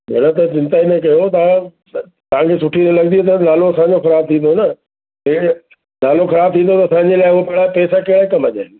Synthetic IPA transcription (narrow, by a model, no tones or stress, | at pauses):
meɽ̃ət̪ɐt͡ɕɪ̃nt̪aːinɐkɐjot̪ɐã | t̪ɐʋ̤ãkʰesʊʈʰiɾelɐɡ̚d̪iot̪̬ɐnaːloɐsãːɲd͡ʑoxɐɾaːb̚t̪ʰĩːnd̪onɐ | e | naːloxɐɾaːb̚t̪ʰĩːn̆d̪ot̪ɐsãːɲd͡ʑelaːɪɦuapɐɦɪɽapɛːsakɐːɽaikɐmɐʄa̰ːɪnɪ